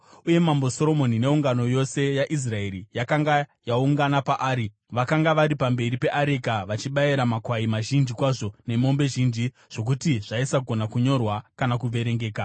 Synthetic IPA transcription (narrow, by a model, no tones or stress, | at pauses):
uje̞mambo̞so̞ɾo̞mo̞nine̞uŋɡano̞jo̞se̞jaʔis̬rae̞ɾijakaŋɡajauŋɡanapaʔaːɾi | ʋakaŋɡaʋaɾipambe̞ɾipe̞ʔaɾekaʋat͡ʃiɓajiɾamakwaimaʒind͡ʒikwaʐo̞ne̞mo̞mbe̞ʒind͡ʒi | ʐ̥o̞k̬utiʐ̥aisaɡʱo̞nakuɲo̞rwakanakuʋe̞ɾe̞ŋɡe̞ːka